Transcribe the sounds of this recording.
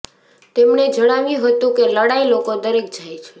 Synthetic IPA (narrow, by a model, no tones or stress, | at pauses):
t̪emɳed͡ʒʱəɽaʋjũɦət̪ũkeləɽailokod̪əɾek̚d͡ʒʱajt͡ʃʰe̥